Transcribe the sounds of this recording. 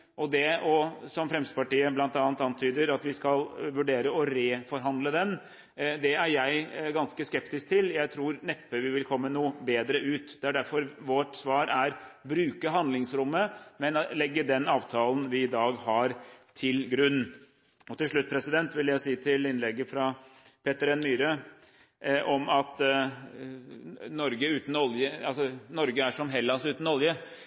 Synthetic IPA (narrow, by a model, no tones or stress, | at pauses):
ʔɔd̪ɛɔsɔmfɾɛmst̪əpɑʈiːəblɑnt̪ɑːnt̪ɑnt̪ʰyːd̪əɾɑt̪ʋɪskɑlʋʉɖeːɾəɔɾeːfɔɾɦɑnd̪ləd̪ɛn | d̪ɛæɾjæɪɡɑnskəskɛpt̪ɪsk̚t̪ʰɪljæɪt̪ʰɾuːɾnɛpːəʋɪʋɪlkʰɔmːənuːbeːd̪ɾəʉːt̪d̪ɛæɖæɾfɔɾʋɔʈsʋɑːɾæɾbɾʉːkəɦɑnd̪lɪŋsɾʊmːəmɛnlɛɡːəɖɛnɑːʋt̪ʰɑːln̩ʋɪɪd̪ɑːɡhɑɾt̪ʰɪlɡɾʉnː | ɔt̪ʰɪlʂɭʉt̪̚ːpʰɾɛsɪd̪ɛnt̪ʋɪljæɪsiːt̪ʰɪlɪnlɛɡːəfɾɑ | pʰeːt̪əɾɛnmyːɾə | ʔɔmɑt̪ | nɔɾɡəʉːt̪n̩ɔljəɑlsɔnɔɾɡəæʂɔmɦɛlːɑsʉːt̪n̩ɔljə